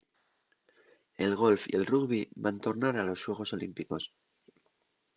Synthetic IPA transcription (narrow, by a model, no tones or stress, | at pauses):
e̞lɣ̞o̞lfḭe̞lruɣβiβant̪o̞ɾnaɾalo̞sːwe̞ɣ̞o̞so̞limpiko̞s